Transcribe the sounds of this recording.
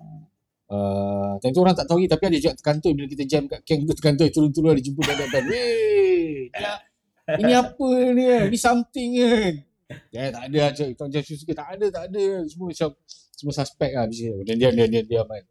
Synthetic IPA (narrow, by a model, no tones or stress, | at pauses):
at̪ant̪uoɾaŋt̪aʔt̪auit̪apiadəd͡ʒuɡaʔt̪ə̥kant̪obilak̬it̪ad͡ʒɛmkaʔkɛŋt̪ut̪ə̥kant̪̬ɔjt̪uɾʊnt̪uɾuadid͡ʒəmput̪daɡaʔdame | a | inĩapəniainisamt̪ɪŋan | aat̪aʔadəat͡ʃat̪aŋd͡ʒɛmsus̬ikət̪aʔːdət̪aʔadəsəməmat͡ʃam | səməsaspɛk̚lahbis̬iənandiandiandiandiaman